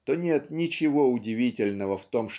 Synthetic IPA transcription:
t̪o̞nʲet̪nʲɪt͡ɕɪvo̞ʊdʲɪvʲitʲɪlʲnəvəft̪o̞mʂ

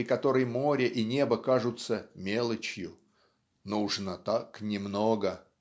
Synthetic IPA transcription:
ɾʲɪkɐt̪o̞ɾəjmoɾʲɪʔinʲebəkaʐʊt̪səmʲelˠət͡ɕjʊ | nuʐnət̪aknʲɪmnoɡə

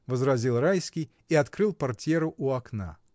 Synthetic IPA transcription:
vəzɾɐzʲilˠrajskʲɪj | iɐt̪kɾɨlˠpɐrtʲeɾʊʔuɐkna̰

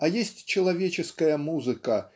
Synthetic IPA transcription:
ɐjesʲt͡sʲt͡ʃɐlˠavʲet͡ʃɛskɐjɐmuzɨkɐ

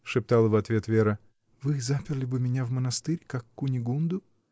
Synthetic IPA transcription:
ʂɨp̚t̪alˠəvɐt̪vʲe̞t̪vʲeɾə | vɨzapʲɪrlʲɪbɨmʲɪnʲavmənɐst̪ɨɾʲkakːʊnʲɪɡund̪ʊ

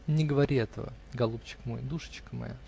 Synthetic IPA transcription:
nʲɪɡəvɐɾʲiɛt̪ə̰və̰ | ɡɐlˠup̚t͡ɕːɪ̥kmo̞̰jd̪uʂə̥t͡ɕkəmɐ̰ja̰

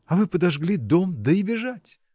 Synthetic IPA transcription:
ɐvɨpəd̪ɐʐɡlʲid̪omd̪əɪbʲɪʐatʲ

